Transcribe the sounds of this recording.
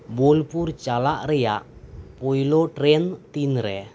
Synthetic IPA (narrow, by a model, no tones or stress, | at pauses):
bulpurt͡ʃalaʔreja̰ʔpoiloʈɾɛnt̪inɾɛ